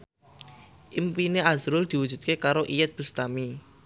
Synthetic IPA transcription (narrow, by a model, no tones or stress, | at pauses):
ʔimpineazɾʊld̪̥i̤wud̥ʒ̥ut̪̚kekaɾoʔijət̪̚b̥ṳst̪ami